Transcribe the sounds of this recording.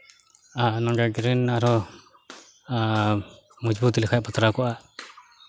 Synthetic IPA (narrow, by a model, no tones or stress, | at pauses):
anɔŋɡaɡɾinaɾɔ | mud͡ʒbut̪ilɛkʰapat̪ɾakɔʔa